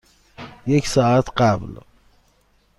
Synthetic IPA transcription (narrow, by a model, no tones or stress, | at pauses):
jekʲsaat̪qabl